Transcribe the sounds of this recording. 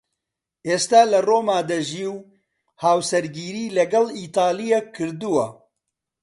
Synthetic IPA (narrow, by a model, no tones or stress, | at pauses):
ʔeːst̪aːlɐroːmaːd̪ɐʒiːw | haːwsɐɾɡiːɾiːlɐɡɐliːt̪aːlijekʰːɨɾd̪uwɐ